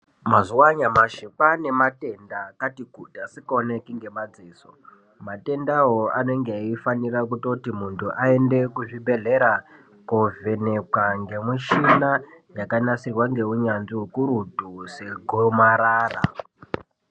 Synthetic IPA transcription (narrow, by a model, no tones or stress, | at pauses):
mazuwaɲamaʃipane̞mate̞ndakatikutiasikaonekiŋɡe̞mad͡ziːso̰ | mate̞ndaɦoane̞ŋɡeaifanirakuto̞timuntʰuʔae̞nde̞kuʐibʱe̞ɮe̞ɾa | kove̞ne̞kaŋɡe̞miʃina | jakanasirwaŋɡe̞uɲanʐiɦukuɾudʱuse̞ɡʱomaɾaːra̰